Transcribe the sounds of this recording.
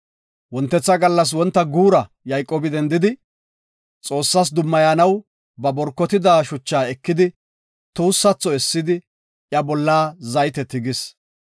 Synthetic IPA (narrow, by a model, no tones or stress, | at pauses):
wɔnt̪ːɛt͡sːɐɡɐlːɐs̬wɔnt̪ːɐɡuːɾɐ | jɐjkʼːɔːbɪd̪ɛnd̪ɪd̪ɪ | t͡sʼo̞ːsːɐs̬d̪ʊmːɐjaːnɐw | bɐbɔɾkːɔt̪ɪd̪aːʃʊt͡ʃːaːɛkːɪd̪ɪ | t̪uːsːɐt͡sːɔɛsːɪd̪ɪ | ʔjɐbɔlːaːzɐjt̪ɛt̪ɪɡɪs